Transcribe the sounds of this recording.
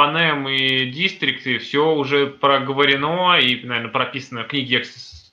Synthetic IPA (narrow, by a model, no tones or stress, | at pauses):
ɐnɛmidʲist̪ɾʲɪkt̪ɨfsʲoʊʐɛpɾəɡəvəɾʲɪno̞inɐvʲɛɾnəpɾɐpʲisənəknʲiɡʲɪɛksɨs